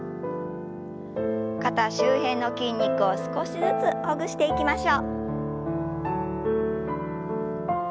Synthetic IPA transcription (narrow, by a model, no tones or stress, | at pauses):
kat̪aɕɨːɦẽ̞nːo̞kʲĩɲ̟ʲːikɯ̟o̞sɨ̥ko̞ɕizɨt͡sɨoɡɯ̟ɕi̥t̪e̞ikʲimaɕo̞ː